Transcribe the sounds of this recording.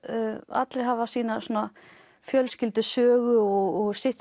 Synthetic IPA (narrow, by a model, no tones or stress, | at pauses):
a̰t̪leɾɦavasiːnasuːna | fjœlscɪlt̪ʏsœːɣʏɔɣɔɣsɪht̪